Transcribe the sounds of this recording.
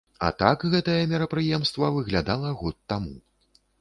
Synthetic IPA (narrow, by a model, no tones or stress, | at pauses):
a̰t̪akɣɛt̪ɐjɛmʲɛɾɐpɾɨjɛmst̪vɐvɨɣlʲad̪alˠɐɣɔt̪ːamu